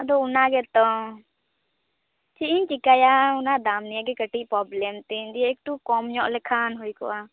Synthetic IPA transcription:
ad̪ɔʊnaɡɛt̪ɔ | t͡ʃiʔiɲt͡ʃikajaunad̪amnijaɡɛkəʈiʔpɾɔblɛmt̪ind̪ijɛk̚ʈ̪ukɔmɲɔʔlɛkʰanɦujkɔ̰ʔa

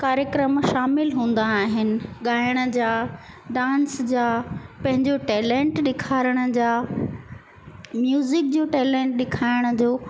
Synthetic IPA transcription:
kaːɾjəkɾəmʃaːmɪlɦũːn̆d̪aːɦɪnɪ̆ɠaːɪəɽ̃ə̆d͡ʑaː | ɖãːnsd͡ʑaːpɐ̃ɦɪ̃ɲd͡ʑoʈɛːlɛ̃ːɳʈɗɪkʰaːɾəɽ̃ə̆d͡ʑaː | mjuːzɪk̚d͡ʑoːʈɛːlɛ̃ːɳʈ̚ɗɪkʰaːɪɽ̃ə̆d͡ʑoː

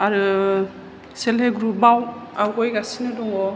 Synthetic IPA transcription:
aɾɯ | seleɡɾubawawɡojɡasinɯdɔŋɔ

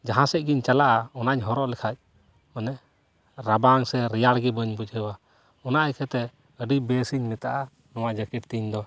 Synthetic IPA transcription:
d͡ʒaɦãsɛc̚ɡiɲt͡ʃalaʔaɔnaɲɦɔɾɔʔlɛkʰac̚ | mənɛ | ɾabaŋsɛɾɛjaɽɡɛbəɲbud͡ʒɦɛwa | ɔnaʔakʰɛt̪ɛ | əɖibɛsiɲmit̪aʔa | nɔwad͡ʒəkiʈt̪iɲd̪ɔ

